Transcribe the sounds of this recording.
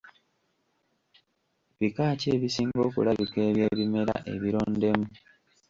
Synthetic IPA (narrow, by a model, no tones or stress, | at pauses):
βikaːce̞ːβisiːŋɡo̞ːkṵlaβike̞ːβje̞ːβime̞ɾa̰ʔe̞̰βiɾo̞ːnde̞mu